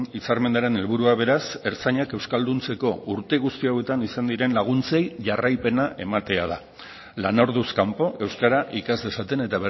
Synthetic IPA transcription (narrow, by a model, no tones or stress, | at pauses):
isaɾme̞nd̪aɾe̞ne̞lβ̞uɾuaβ̞e̞ɾase̞ɾt͡saɲake̞wskald̪unt͡se̞ko̞uɾt̪e̞ɣ̞ust̪iawe̞t̪anisand̪iɾe̞nlaɣ̞unt͡se̞jʝarajpe̞naʔe̞mat̪e̞að̞a | lano̞ɾðuskampo̞ʔe̞wskaɾaʔikazd̪esat̪e̞ne̞t̪aβe